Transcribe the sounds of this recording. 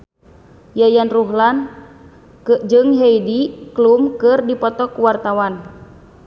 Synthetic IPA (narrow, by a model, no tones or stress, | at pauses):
jajanruɦlan | kəʔd͡ʒɨŋɦeidiklumkɨrdipɔt̪ɔkuwart̪awan